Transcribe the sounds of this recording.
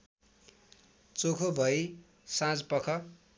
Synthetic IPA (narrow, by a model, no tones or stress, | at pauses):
t͡sokʰobʱʌj | sãd͡zpʌkʰʌ